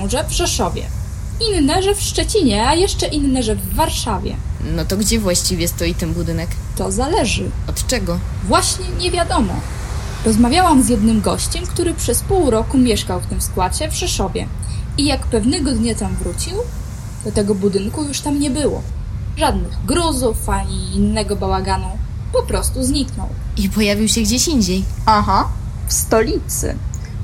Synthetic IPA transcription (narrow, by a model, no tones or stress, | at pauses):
ɔ̃w̃ʐɛvʂɛʂɔvʲjɛ̰ | inːɛʐɛfʂt͡ʂɛt͡ɕiɲɛajɛʂt͡ʂɛʔinːɛʐɛvːaɾʂavʲjɛ̰nɔt̪ɔɡd͡ʑɛvwaɕt͡ɕivʲjɛst̪ɔjit̪ɛnbud̪ɘnɛk | t̪ɔzalɛʐɘɔt̪t͡ʂɛɡɔ | vwaɕɲɛɲɛvʲjad̪ɔmɔ̰ | ɾɔzmavʲjawamzʲjɛd̪nɘmɡɔɕt͡ɕɛmkt̪uɾɘpʂɛspuwɾɔkumʲjɛʂkawft̪ɘmskwat͡ɕɛvʂɛʂɔvʲjɛ̰ | ijakpɛvnɛɡɔd̪ɲat̪amvɾut͡ɕiw | d̪̥ɔt̪ɛɡɔbud̪ɘŋkujuʂt̪amɲɛbɘwɔ̰ | ʐad̪nɘɣɡɾuzufaɲiːnːɛɡɔbawaɡanu | pɔpɾɔst̪uzɲiknɔ̰wipɔjavʲiwɕɛɡd͡ʑeɕiɲd͡ʑej | aɦa | fst̪ɔlʲit̪sɘ̰